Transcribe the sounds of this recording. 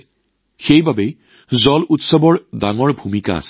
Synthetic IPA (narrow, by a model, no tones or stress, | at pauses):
xejbabɛ | zɔlʔutsɔbɔɹdaŋɔɹbʱumika̰a̰sɛ̥